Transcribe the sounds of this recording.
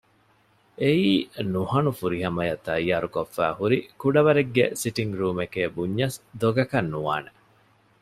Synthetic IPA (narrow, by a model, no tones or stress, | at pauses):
eiːnuhɐnufuɾiɦɐmɐjɐt̪ɐjːaːɾukofːæ̰ːhuɾikuɖɐʋɐɾeɡːḛsiʈiŋɡɾuːmekeːbuɲːɐsd̪oɡɐkɐnːuʋaːne